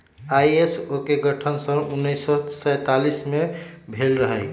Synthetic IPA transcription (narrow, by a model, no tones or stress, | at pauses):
ajesokeɡəʈʰənsə̃unːəjsːɔsəjt̪alismebʱelɾəɦəɪ